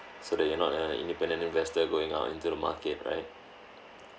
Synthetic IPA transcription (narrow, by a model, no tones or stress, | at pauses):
sodɛjɔnɔtəḭ̃ndipɛ̃ndə̃ntĩnvɛstəɡoɪ̃ŋa̰ʊtḭ̃ntudəma̰kɛt̚ɹa̰ɪt̚